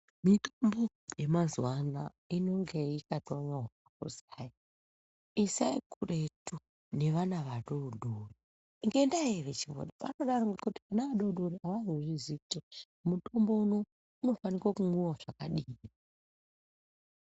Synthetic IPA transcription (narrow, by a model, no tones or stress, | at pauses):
mitambo | je̞mazwana | ino̞ŋɡe̞ikatoɲaɦaakṵzai | isaikure̞tu | ne̞ʋanaʋaɗoɗori | ŋɡe̞ndaeʋet͡ʃiɡo̰ɗapanoɗaroɡkuti̥kanaʋaɗouɗoɾiaʋanuʐizite | muto̞mbo̞uno̞ | uno̞fanikwakumwiwaʐakaɗiːi